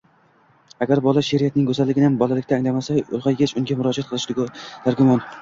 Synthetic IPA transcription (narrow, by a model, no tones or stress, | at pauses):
aɡʲaɾbɒlˠaʃeɾɪjat̪̚nɪŋkʰɵzalːɪɡʲɪnɪhambɒlˠalɪkʲt̪aːŋlamasaʊ̰lˠʁɑjɡʲet͡ʃʰʊŋɡʲamʊɾɒd͡ʒat̪̚qʰɨlˠɪʃd̪t̪ʰaɾɡʲʊmɒn